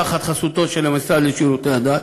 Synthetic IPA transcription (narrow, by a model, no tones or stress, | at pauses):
aχat̪χasut̪o̞t̪ʃelemasadleʃiɾut̪ead̪at̪